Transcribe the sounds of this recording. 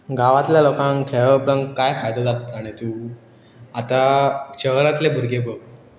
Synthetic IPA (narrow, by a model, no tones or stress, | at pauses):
ɡaʋat̪ljalokãŋkʰeɭəpɾəŋkajfajd̪ok̪aɾt̪ət̪aɽ̃et̪uː | at̪aɕəɦɾat̪lebʱuɾɡebək̚